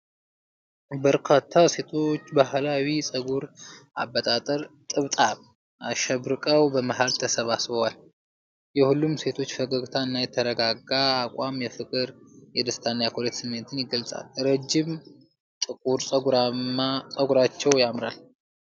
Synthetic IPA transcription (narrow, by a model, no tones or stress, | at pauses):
bəɾkʰat̪ʰːase̞t̪ʰo̞t͡ʃːbahlawisʼəɡuɾa̰bːət̪ʼat̪ʼəɾt̪ʼɨβt̪ʼaβ | aʃɛβɾɨkʼəwbəmaɦalt̪ʰəsəβasβəwal | jɛhulːumse̞t̪ʰo̞t͡ʃːfəɡəɡt̪ʰaɨnːajɛt̪ʰəɾəɡaɡaːkʷʼamjɛfɨkʼɨɾjɛd̪ɨst̪ʰanːajakʰolet̪sɨmːɨnt̪ʰɨnjɪɡəlsʼa̰lɾəd͡ʒːɪm | t̪ʼɨkʼuɾsʼəuɾaasʼəɡuɾat͡ʃːɛwjamɾal